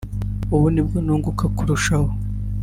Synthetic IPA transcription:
uβunibɡonoːŋɡukakuɾuʃaho

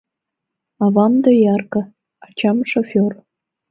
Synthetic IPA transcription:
ɑvɑmd̪ɑjɑrkɤ | ɑt͡ɕɑmʃofʲor

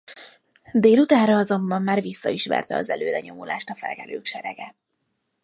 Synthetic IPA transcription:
d̪eːlut̪aːnɾɒɒzo̞mbɒmːaːrvisːɒiʃmɛ̰rt̪ɛɒzɛløːɾɛɲo̞molʔaːʃt̪ɒfɛ̰lɡɛløːkʃɛɾɛɡɛ

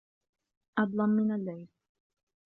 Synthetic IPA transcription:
ʔɑd̪ˤlɑmːɪnalːajl

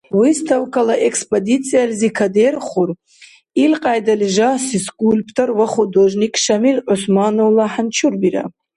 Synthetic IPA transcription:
wistʰawkʰalaʔekspʼodit͡sʰʼijalzikʰaderχur | ilqʼajdalʒasiskʼulʲpʰtʰorwaχudoʒnikʰʼʂamilʕʊsmanowlaħant͡ʃʰurbiɾa̰

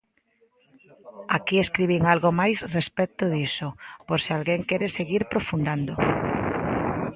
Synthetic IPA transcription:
akieskɾiβiŋalɣomajsrespɛt̪ʊðisʊpoɾsɪalɣeŋkɛɾeseɣiɾpɾofund̪and̪o

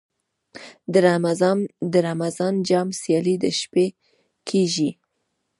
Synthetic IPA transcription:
d̪əɾamaznd̪əɾamazɑnd͡ʒɑmsjɑlid̪əʃpe | kʰeʒi

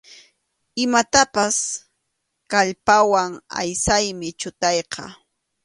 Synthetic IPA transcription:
ɪmat̪apas | kaʎpawaŋa̰jsajmɪt͡ʃʊt̪ɑjqɑ̰

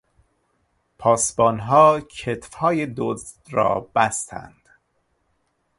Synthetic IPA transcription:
pʰɒːsbɒːnɦɒːcʰet̪fhɒːjed̪oz | ɾɒ̰ːb̥æst̪ʰæ̰nd̪̥

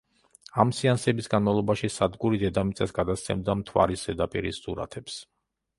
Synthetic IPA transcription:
amsiansɛbisɡanmavlˠɔbaʃisad̪ɡuɾid̪ɛd̪amit̪sʼɛsɡad̪ast̪sʰɛ̰md̪amt̪ʰwa̰ɾisdɛd̪apʼḭɾisːuɾa̰t̪ʰɛps

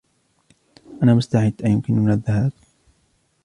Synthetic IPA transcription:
ʔanaːmʊst̪aʕɪd̪ːʔajʊmkɪnmɪnaðːahaːb̥̚

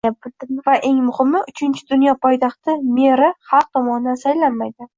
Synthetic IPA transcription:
abɪd̪ɪvaʔe̞ŋmʊhɪmːɪʔʊt͡ʃʰɪnt͡ʃʰɪd̪ʊnjɒpʰɒjt̪ʰɑχt̪ʰɪmeɾɪχɑlˠq̚t̪ʰɒmɒnɪd̪ansajlanmajd̪ɪ

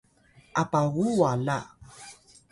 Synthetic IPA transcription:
apaɣuala

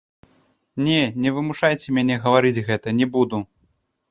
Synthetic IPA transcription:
nʲɛnʲɛvɨmuʂajt͡sʲɛmʲanʲɛɣɐvaɾɨd͡zʲɣɛt̪ɐnʲɛbud̪u

